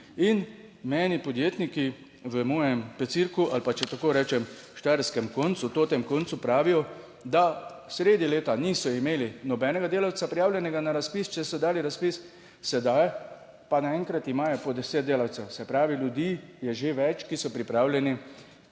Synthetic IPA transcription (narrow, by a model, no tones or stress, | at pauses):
in | mɛːnipɔd̪jeːt̪niki | ʋəmɔːjɛmpɛt̪siɾkuʔalpat͡ʃɛt̪akoːɾɛːt͡ʃɛm | ʃt̪ɛɾskɛmkont̪sut̪oːt̪emkont̪supɾaːʋijɔ | d̪a | sɾeːd̪ileːt̪aniːsɔimeːlinɔbɛnɛɡad̪eːlawtsapɾijaːwljɛnɛɡanaɾaspiːst͡ʃɛsɔd̪aːliɾaspis | sɛd̪aj | panaɛŋkɾat̪imaːjɔpɔd̪ɛseːt̪d̪eːlawt̪sɛwsɛpɾaːʋiljud̪iːjɛʒeʋɛt͡ʃkisɔpɾipɾaːwljɛni